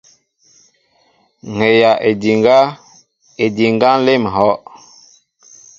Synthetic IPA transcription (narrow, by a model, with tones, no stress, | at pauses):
ŋe˨ja˨ʔe˨di˨ŋɡa˦ | e˨di˨ŋɡa˦n˦le˦mə˨ɦɔ˦ʔ